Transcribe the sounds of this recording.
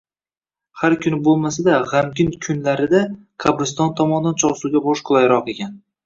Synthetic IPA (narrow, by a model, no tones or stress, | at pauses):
haɾkʲʰʊnɪbolˠmasad̪aʁamɡʲɪnkʲʰʊnlaɾɪd̪a | kʰabɨst̪ɒnt̪ʰɒmɒnɪd̪ant͡ʃʰɒʁsuwɡʲabɒʃqʰʊlˠajɾɒqeɡʲan